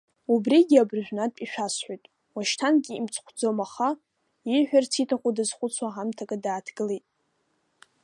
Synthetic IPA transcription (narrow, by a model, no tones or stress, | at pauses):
ubriɡʲabrʒᶣʷnatʼpʼiʃʷᶣasħʷᶣojtʼ | waʃtʰanɡʲiimt͡sʰχʷʰd͡zomaχa | iħʷᶣart͡sʰitʰaχʷʼudazχʷʊt͡sʰwaɦamtʰakʼadaːtʰɡ̥ɨlejtʼ